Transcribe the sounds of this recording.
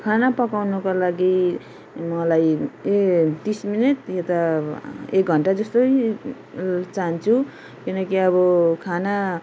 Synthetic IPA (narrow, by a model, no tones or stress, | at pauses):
kʰanapʌkawnʌkolaɡi | mʌlaj | t̪isminit̪jet̪a | ek̚ɡʱʌɳʈad͡zʌst̪oj | t͡sant͡sʰu | kinʌkiʌbʌkʰana